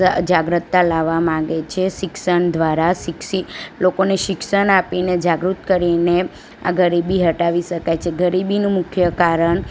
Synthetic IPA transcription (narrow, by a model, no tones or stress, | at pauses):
d͡ʒaɡɾət̪ːalaʋamãɡet͡ʃʰeʃɪkʃəɳd̪ʋaɾaʃɪkʃilokoneʃɪkʃəɳapined͡ʒaɡɾut̪kəɾine | a̰ɡəɾibiɦəʈaʋiʃəkajt͡ʃʰeɡəɾibinũmʊkʰjəkaɾəɳ